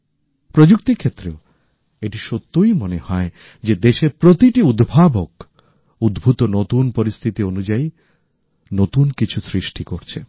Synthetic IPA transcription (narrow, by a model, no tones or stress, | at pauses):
pɾod͡ʑuk̚t̪ikʰːet̪ːɾeo | eʈiʃot̪ːujmonehɔe | d͡ʑed̪eʃeɾpɾot̪iʈiud̪bʱabok | ud̪bʱut̪onot̪unpoɾist̪ʰit̪ionud͡ʑai | not̪unkit͡ɕʰusɾiʃʈikoɾt͡ɕʰe